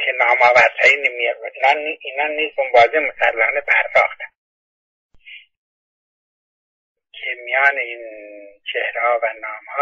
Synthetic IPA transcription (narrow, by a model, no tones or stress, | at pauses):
kʰenɒːmɒːvæɾt̪ʰhɑːinemiinɑːniʔiːnɑːniːsunbɒːzemiɡæɾlɒːnebæɾːɒ̰ːxd̪æ̥ | kʲʰemijɒːneiːnt͡ʃʰehɾehɒːvænɒːmhɒː